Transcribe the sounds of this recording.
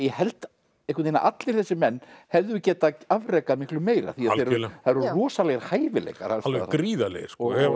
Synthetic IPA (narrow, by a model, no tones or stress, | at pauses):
jɛhɛlt̪ | ehkʏt̪ina̰ʔat̪lɪɾ̥θɛsːɪmɛnːhɛvðʏcɛːt̪aavreːkaðmɪhklʏmeːjɾa̰θiaðθeɾθaɾrɔːsalɛːɣɾ̥haːjvɪlɛ̰jka̰ɾ̥asalvkɾiːðalḛɣsɔɛ